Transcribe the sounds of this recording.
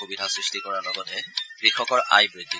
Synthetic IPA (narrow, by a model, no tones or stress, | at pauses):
xubidʱasɹistikɔɹalɔɡɔdɛkɹixɔkɔɹʔa̰jbɹidʱːi